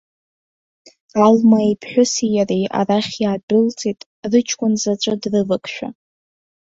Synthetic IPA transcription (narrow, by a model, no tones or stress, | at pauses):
almaipʰħʷᶣʊsijaria̰raχʲjaːdɨlt͡sʼitʼ | rɨt͡ʃʰkʷʼʊnzat͡ʃʷʼadrɨvakʰʼʃᶣa̰